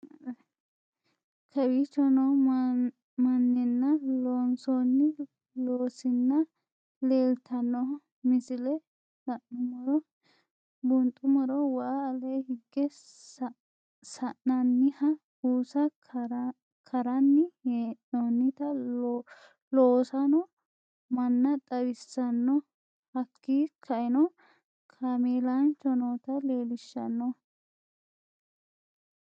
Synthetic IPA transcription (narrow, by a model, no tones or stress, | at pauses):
kʰɐbit͡ʃːɔnɔ | mɐnːɛnːɐloːnsonːɪ | loːsɪnːɐ | leːlt̪ɐnːɔ | mɪsɪlɛ | sɐʔnʊmɔɾɔ | bʊnt̪ʼʊmɔɾɔwɐaːlɛjhɪɡːɛ | sɐʔnɐnːɪhɐ | huːsɐ | kʰɐɾɐnːɪeʔɔnːɪt̪ɐ | loːsɐnɔ | mɐnːɐt̪ʼɐwɪsːɐnːɔ | hɐkːiːkʰɐʔɛnɔ | kʰameːlant͡ʃːɔnoːt̪ɐleːlɪʃːɐ̰nːɔ